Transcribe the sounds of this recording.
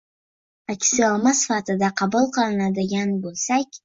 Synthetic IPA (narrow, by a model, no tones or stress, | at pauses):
akʲʰɪ̥sɪɑlˠmasfat̪ʰɨd̪aqʰɑbulˠqʰɨlˠɨnad̪ɪɡʲanbolˠsakʲ